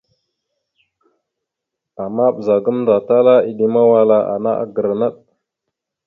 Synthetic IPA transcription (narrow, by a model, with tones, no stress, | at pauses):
a˨ma˦ɓə˨za˨ɡə˦mnda˨ta˦la˦i˨ɗi˦ma˦wa˦la˨ʔa̰˨na̰˦ʔa̰˨ɡə˨ɾa˨na˦ɗ